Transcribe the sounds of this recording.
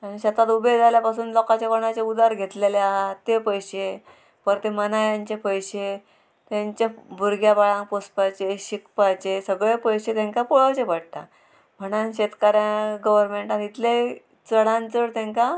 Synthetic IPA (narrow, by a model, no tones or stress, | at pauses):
añiɕət̪at̪ubed͡zaljapasuːnlɔkat͡ɕakoɳ̃at͡ɕeud̪aɾɡʱet̪leleaɦat̪epəjɕe | pəɾt̪emənajãɲt͡ɕepəjɕe | t̪jãɲt͡ɕebʱuɾɡʱjapaɭãŋk̚pospat͡ɕeɕikpajt͡ɕesəɡɭepəjɕet̪ẽŋkapoɭat͡ɕepəɽt̪a̰ | mʱəɽ̃ãnɕet̪kaɾjãɡəʋəɾmeɳʈãt̪it̪ʰle | t͡səɽãnt͡səɽt̪ɛ̃ŋka